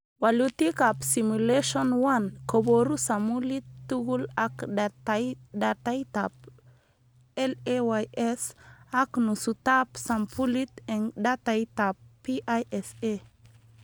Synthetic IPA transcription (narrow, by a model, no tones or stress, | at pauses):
walut̪ikapsimuleʃonwankoboɾusamulit̪ːuɡulakajd̪at̪ajt̪ap̚ | elewajʔesaknusut̪apsampʰulit̪eŋd̪at̪ajt̪apːiʔajese